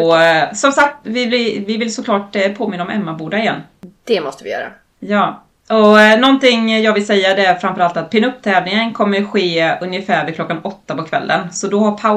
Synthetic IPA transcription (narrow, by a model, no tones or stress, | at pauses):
ɔsɔmsak̚t̪vɪb̪ɪvɪvɪlsɔklɑːʈpʰoːmɪnːaɔmɛ̰mːabuːɖ̪aɪjɛnː | d̪̥ɛmɔst̪əvɪ̰jœ̰ːɾa̰ | jɑː | ɔnɔnt̪ɪŋjɑːɡvɪlsɛjːad̪ɛæɾfɾamfœɾalt̪at̪̚pʰɪnɵpːt̪ʰɛːvlnɪŋənkʰɔmːəɧeːɵnjəfæːɾvɪkʰlɔkːanɔt̪ːapɔkʰvɛ̰lːʔə̰nsɔd̪ɔhapʰa